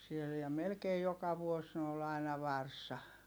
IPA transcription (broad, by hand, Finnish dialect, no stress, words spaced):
siel jɑ melkei jokɑ ʋuos ni ol ɑinɑ ʋɑrsɑ